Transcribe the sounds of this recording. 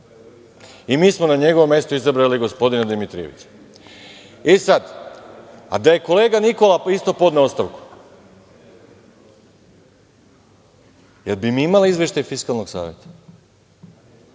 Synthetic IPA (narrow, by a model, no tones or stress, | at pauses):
imiːsmonaɲe̞ɡo̞ʋomje̞st̪oizabɾaliɡo̞spo̞d̪inad̪imit̪ɾḭeʋḭt͡ʃḁ | esad̪ | a̰d̪aje̞ko̞le̞ːɡaniko̞laist̪o̞po̞d̪neost̪aʋku̥ | jelbimiimaliizvʋjeʃt̪ajfiskalˠno̞ɡsa̰ːʋjet̪ḁ